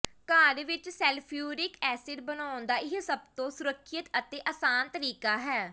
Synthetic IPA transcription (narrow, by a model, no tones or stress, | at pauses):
kaːɾʋɪt͡ʃsɛːlpʰijuːɾɪkɛːsɪɖbənaːʊnd̪aːʔɪɦsəb̚t̪õːsʊɾəkʰːət̪ət̪eːʔaːsaːnt̪əɾiːkaːɦɛː